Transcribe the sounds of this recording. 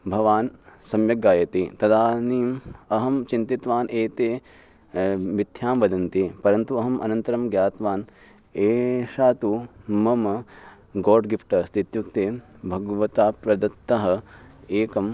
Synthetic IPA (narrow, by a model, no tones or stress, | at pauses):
bʱɐʋaːnsɐmjɐɡaːjɐt̪it̪ɐd̪aːniːmɐɦɐmt͡ʃint̪it̪ʋaːnʔeːt̪eː | ʋid̪ʱjaːmʋɐd̪ɐnt̪ipɐɾɐnt̪uɐɦɐmʔɐ̰nɐnt̪ɐɾɐmɡjaːt̪ʋaːn | eːʃaːt̪umɐmɐ | ɡoːɾɖɡipʰʈɐst̪it̪jukt̪eː | bʱɐɡʋɐt̪aːpɾɐd̪ɐt̪ːɐɦɐ̆eːkɐm